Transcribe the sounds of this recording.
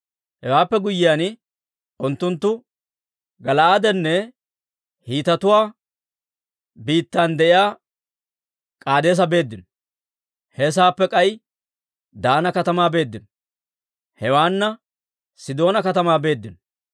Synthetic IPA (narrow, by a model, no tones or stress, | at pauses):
hɛwaːpːɛɡʊjːɪjaːnɪ | ʔʊnt̪ːʊnt̪ːʊ | ɡɐlɐad̪ɛnːɛ | hiːt̪ɐt̪ʊwaː | biːt̪ːaːnd̪ɛʔɪjaː | kʼaːd̪e̞ːs̬ɐbe̞ːd̪ːɪnɔ̥ | hɛs̬aːpːɛkʼɐj | d̪aːnɐkɐt̪ɐmaːbe̞ːd̪ːɪn | hɛwaːnːɐ | sɪd̪o̞ːnɐkɐt̪ɐmaːbe̞ːd̪ːɪnɔ